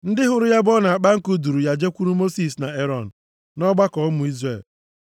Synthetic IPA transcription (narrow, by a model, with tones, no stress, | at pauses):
n̩˦dɪ˦ɦʊ˨ɾʊ˦ja˦bɔ˦na˨a˨k͡pa˦ŋ̩˦kʊ˦du˨ɾu˨ja˦d͡ʒe˦kʷu˦ɾu˦mo˦si˦s̬na˨e˦ɾɔ˦˨n̩˨ | nɔ˦ɡ͡ba˦kɔ˨˦mʊ˨i˦zɾe˦˨l